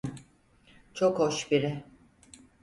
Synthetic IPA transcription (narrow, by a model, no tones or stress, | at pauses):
t͡ʃʰokhoʃbiɾɪ